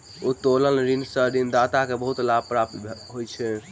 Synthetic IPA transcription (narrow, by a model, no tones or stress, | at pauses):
ut̪oləlɾinsəɾind̪at̪akebəɦut̪lab̚pɾap̚t̪ɦojt͡ʃʰɛ